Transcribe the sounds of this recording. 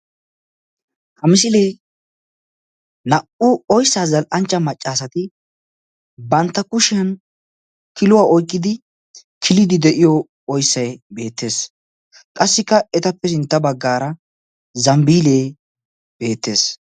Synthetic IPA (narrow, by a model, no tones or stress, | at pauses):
hɐmɪsɪlej | nɐʔʊɔjsːaːzɐlʔɐnt͡ʃːɐmɐt͡ʃʼːaːsɐt̪ɪ | bɐnt̪ːɐkʊʃɪɐn | kɪlʊwaːʔɔjkʼːɪd̪ɪ | kʰɪlɪd̪ɪd̪ɛʔɪjɔ | ɔjsːɐjbe̞ːt̪ːe̞ːs | kʼɐsːɪkːɐɛt̪ɐpːɛsɪnt̪ːɐbɐɡːaːɾɐ | zɐmbiːleː | b̥e̞ːt̪ːe̞ːs